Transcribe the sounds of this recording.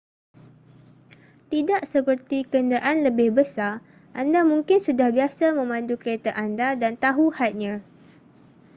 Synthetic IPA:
t̪idaʔsəpərt̪ikəndaʔanləbɪhbəsar | ʔandamũŋkɪnsudahbiasamə̃mãndukəɾet̪aʔandadant̪aɦuhat̪̚ɲã

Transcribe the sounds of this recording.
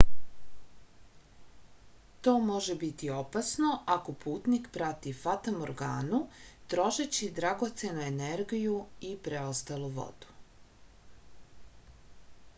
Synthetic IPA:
t̪o̞ːmo̞ʒe̞bit̪io̞pasno̞ʔako̞pʰuːt̪nikpɾat̪ifat̪amoɾɡaːnut̪ɾo̞ʒet͡ɕid̪ɾaɡo̞t̪se̞nueneɾɡijuipɾeost̪aluʋo̰d̪̥u̥

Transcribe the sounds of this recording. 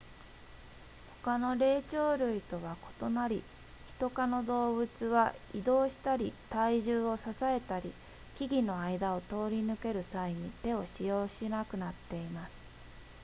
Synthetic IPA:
ho̞̥kano̞ɾe̞ːt͡ɕo̞ːɾɯ̟it̪o̞β̞ako̞̥t̪o̞naɾʲi | çi̥t̪o̞kano̞d̪o̞ːbɯ̟t͡sɨβaid̪o̞ːɕi̥t̪aɾʲit̪aiʑɨːo̞sasae̞t̪aɾʲi | kʲiɡʲino̞aid̪ao̞t̪o̞ːɾʲinɯ̟ke̞ɾɯ̟saiɲ̟it̪e̞o̞ɕijo̞ːɕinakɯ̟nat̪ːe̞imasɨ̥

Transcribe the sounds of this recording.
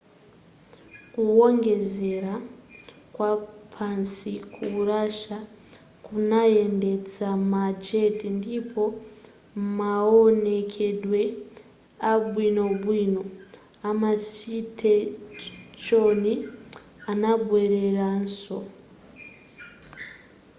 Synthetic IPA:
kuwo̞ŋɡe̞ze̞ɾa | kwapʰansikʰuraʃa | kunae̞nde̞d͡zamad͡ʒetindipʰo̞ | maone̞kʰe̞dwe̞ | abwino̞bwiːno | amasitʰe | t͡ʃo̞ni | anabweɾe̞ranso

